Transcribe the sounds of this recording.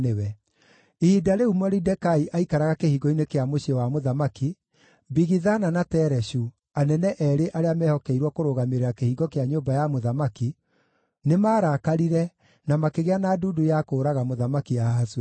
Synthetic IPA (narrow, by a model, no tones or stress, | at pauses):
ewɛ | iidaɾeumwɔɾidɛkaiʔaikaɾaɣakehiɡɔinekeamoɕewamoðamaki | biɣiðananatɛɾɛɕu | anɛnɛʔɛɾeʔaɾeamɛhɔkɛiɾwɔkoɾoɣameɾeɾakehiɡɔkeaɲoːbajamoðamaki | nemaːɾakaɾiɾɛ | namakeɣeanaːduːdujakoːɾaɣamoðamakiaɦaswɛ